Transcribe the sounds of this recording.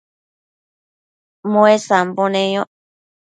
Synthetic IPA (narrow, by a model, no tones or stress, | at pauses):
mõesamponẽjo